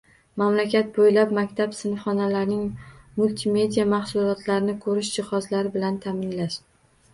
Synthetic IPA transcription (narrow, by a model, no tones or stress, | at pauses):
mamlakʲat̪̚bojlap̚makʲt̪ʰapsɪnfχɒnalaɾnɪŋmulʲt̪ʰɪme̞d̪ijamaχsʊlɒt̪ʰlaɾɪnɪkʰɵɾɪʃd͡ʒɪhɒzlaɾɪbɪlant̪ʰamɪnlaʃ